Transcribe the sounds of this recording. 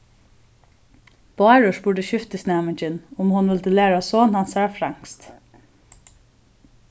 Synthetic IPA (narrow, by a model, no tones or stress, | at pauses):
b̥ɑːɹʊʃbʊɖəɕʏft̪əsnɛːmɪɲt͡ʃɪnʊmhʊnʋɪlt̪ɪlæːɹasɔːnhansɑːɹfɾaŋkst̪